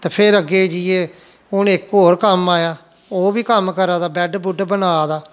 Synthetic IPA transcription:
t̪ːpʰeɾəɡeːd͡ʒiːeː | ʊnɪkoːɾkəmaːjaː | oːbiːkəmkəɾaːd̪aːbɛːɖbʊɖbənaːd̪aː

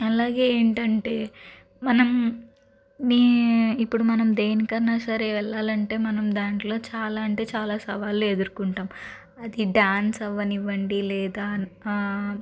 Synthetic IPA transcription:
ɐlaːɡe̞eːɳʈɐɳʈe̞ː | mɐnɐm | niːipːuɽumɐnɐmd̪eːnikɐɾɐnaːsɐɾeʋɛɭːaːlɐɳʈe̞ːmɐnɐmd̪aːɳʈlo̞ːt͡ʃaːlaːɐɳʈe̞ːt͡ʃaːlaːsɐʋaːlːue̞d̪uɾukuɳʈaːm | ɐd̪iɖaːnsɐʋːɐniʋːɐɳɖilɛːd̪aː

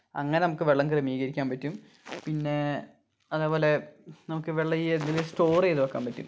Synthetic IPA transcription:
ɐ̰ŋːɐne̞nɐmukːɨʋeɭːɐŋkrɐmiːɣɐɾikʲːaːmpɐtːum | pinːe̞ | ɐðeːpoːle̞nɐmukːɨʋeɭːɐienilisto̞ːrejðuʋɐkːa̰ːmpɐtːṵm

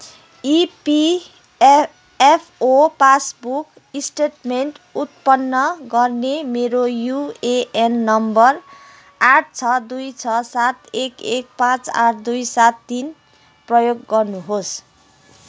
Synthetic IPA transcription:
ipi | epʰopasbuk | isʈeʈmeɳʈut̪̚pʌnːʌɡʌrnemeɾojueʔenːʌmbʌr | aʈʰt͡sʰʌd̪ujt͡sʰʌsat̪ekek̚pãt͡sa̰ʈʰd̪ujsat̪ːin | prʌjoɡːʌrnuɦos

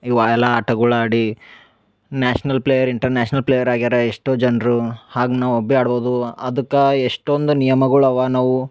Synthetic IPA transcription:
iʋaɛlːaːʈɐɡuɭaːɽi | naːʂɐnɐlplejɐɾiɳʈɐɾnaːʃnɐlpleːjɐɾaːɡiɾɐeʂʈoːd͡ʒɐnɾuhaːɡunaːʋuobːiaːɽboːd̪uɐd̪ɐkːɐeʂʈond̪unijɐmɐɡɐɭuɐʋanaːʋu

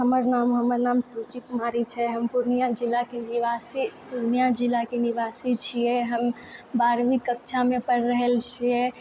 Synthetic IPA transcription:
ɦəməɾnamɦəməɾnaːmsɾut͡ʃikmaɾit͡ʃʰɛɦəmpuɾnijad͡ʒilːakeniʋasipuɾnijad͡ʒilakeniʋasit͡ʃʰijɛɦəm | baɾʋikːəkt͡ʃʰamẽpəɽɾəɦɛlt͡ʃʰiɛ

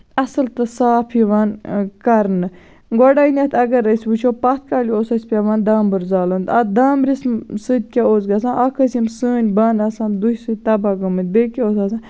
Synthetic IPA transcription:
ɐsɨlt̪ɨsaːpʰiʋaːnkɐɾnɨ | ɡoɖaːinʲɐt̪ʰɐɡɐɾəsʲbɨt͡ʃʰoːpɐt̪̚ʰkaːlʲioːsɐsʲpʲaʋaːnd̪aːmbɨɾzaːlɐnd̪ɐd̪aːmɾismsɨd̪̚ʲkʲaoːzɡɐs̬ãːnʔɐkʰəsimsɨːnʲbaːnɐsãːnd̪uhsɨt̪ɐbaɡɐmɨn̚ʲbekʲioːs̬aːsãː

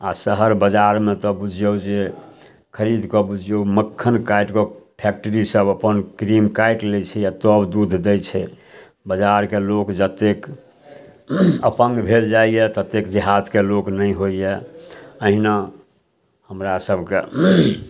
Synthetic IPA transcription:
asəɦəɾbəd͡ʒaɾmẽt̪ɔbud͡ʒʱijəd͡ʒe | kʰəɾid̪ʱkɔbud͡ʒʱjoməkʰːənkajʈkɔpʰek̚ʈəɾisəbəpənkɾimkaiʈlet͡ʃʰɛjat̪ɔbd̪ud̪ʱd̪ɛt͡ʃʰɛ | bəd͡ʒaɾkelokd͡ʒət̪ːek | əpə̃ŋɡbʱeld͡ʒaijɛt̪ət̪ːekd̪iɦat̪keloknəjɦoijɛəɦina | həmɾasəbʱkḛ

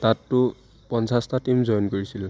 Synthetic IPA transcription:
tatːʊ | pɔnsastatimzɔjɔnkɔɹisil

